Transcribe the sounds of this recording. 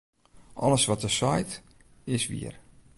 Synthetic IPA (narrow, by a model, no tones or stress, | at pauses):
ʔɔ̰ləsʋɔtəsɔjt | ɪsʋḭər